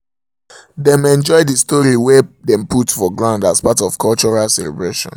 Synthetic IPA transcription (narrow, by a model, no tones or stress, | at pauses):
dɛ̃mɛ̃nd͡ʒɔɪdistɔɹiwɛdɛ̃mputfɔɡɹãndaspatɔfkʰɔlt͡ʃɔɹalsɛlɛ̰bɹeʃɔ̰̃n